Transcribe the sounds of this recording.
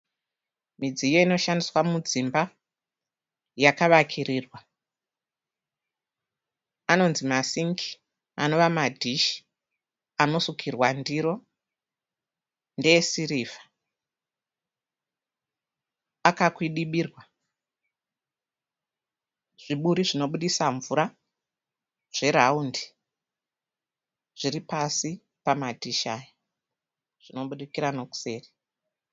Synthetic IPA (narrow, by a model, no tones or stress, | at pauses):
mid͡zijoino̞ʃandiswamud͡zimba | jakaʋakʰiriːrwa | ano̞nzimasiŋki̥ | a̰no̞ʋamadʱiʃi̥ | ano̞sukʰirwandiɾo | ndeesiriːvḁ | akakwiɗiɓiːrwa | ʐ̥iɓuɾiʐino̞ɓuɗisaɱvuɾa | ʐ̥e̞ɾaundi̥ | ʐ̥iɾipasi | pamatiʃa̰ːja | ʐ̥ino̞ɓuɗikiɾano̞ku̥se̞ːri